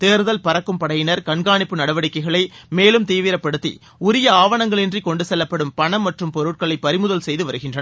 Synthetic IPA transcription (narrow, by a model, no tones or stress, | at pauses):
t̪eːɾɯðɐlpɐɾɐkːɯmpɐɽɐjɪnɐɾkɐɳɡaːɳɪpːɯnɐɽɐʋɐɽɪkːɐɪɣɐɭɐɪmeːlɯmt̪iːʋɪɾɐpːɐɽɯt̪ːḭ | ʊɾɪjɐaːʋɐɳɐŋɡɐɭɪndrikɔɳɖɯsɛlːɐpːɐɽɯmpɐɳɐmːɐʈrɯmpɔɾɯʈ̚kɐɭɐɪpːɐɾɪmɯðɐlsɛjðɯʋɐɾɯɣɪndrɐn